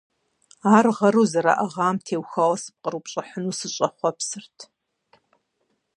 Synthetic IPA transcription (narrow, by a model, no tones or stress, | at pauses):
aːrʁɐɾuːzɐɾa̰ːʔɐʁaːmtʰeːwxɐwɐsɨ̥p̚qʼəɾupɕʼɐħənuːsɨɕʼɐχʷɔpsɨrtʰ